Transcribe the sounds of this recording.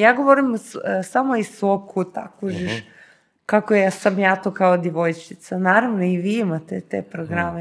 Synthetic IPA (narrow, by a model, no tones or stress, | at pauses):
jaːɡo̞ʋoɾimssamoisʋob̚kʰut̪a̰kuʒiʃ | kakojasamjaːt̪okaod̪jeʋo̞jt͡ʃit̪sanaːɾaʋnoiʋiimat̪et̪ḛpɾoɡɾame